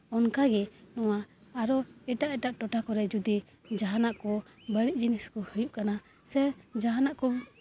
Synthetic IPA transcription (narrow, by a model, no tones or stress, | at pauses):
ɔnkaɡɛnɔwaːɾɔɛʈaʔɛʈaʔʈɔʈakɔɾɛd͡ʒud̪i | d͡ʒaɦanaʔkɔ | bəɽiʔd͡ʒiniskɔhujuʔkana | sɛd͡ʒaɦanaʔkɔ